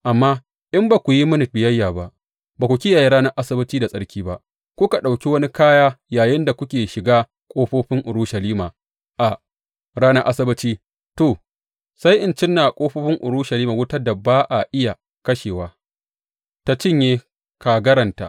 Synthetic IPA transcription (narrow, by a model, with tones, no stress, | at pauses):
ʔa˨mːaː˦ | ʔɪ˦mbaː˨kʷu˨ji˦mʊ˦nɪ˨t̚bɪ˨jɐ˦jːaː˨ba˦ʔ | baː˨kʷu˨kʲɪ˦jaː˨ji˦ɾaː˦nɐ˦ʔa˦sɐ˦bɪ˦t͡ʃiː˦da˨sʼɐ˦ɽkʲiː˦ba˦ʔ | kʷʊ˦ka˨ɗa˨wkʲi˦wɐ˦ni˦kaː˦jaː˦jaː˨jɪ˦nda˨kʷʊ˦kʲeː˨ʃɪ˨ɡaː˦ | kʷʼoː˦ɸoː˦ɸɪ˦ŋʔʊ˨ɾu˦ʃɐ˨liː˦maː˨ | ʔa˨ | ɾaː˦nɐ˦ʔa˦sɐ˦bɪ˦t͡ʃiː˦ | toː˨ | sa˦jʔɪ˨nt͡ʃɪ˦nːaː˨kʷʼoː˦ɸoː˦ɸɪ˦ŋʔʊ̰˨ɾuː˦ʃɐ˨liː˦maː˨wʊ˦tɐ˦da˨baː˦ʔa˨ʔɪ˦ja˨ | kɐ˦ʃeː˨waː˨˦ | ta˨t͡ʃɪ˦˨ɲjeː˦ | ka˨ɡɐ˦ɾɐ˨nta̰˨ʔ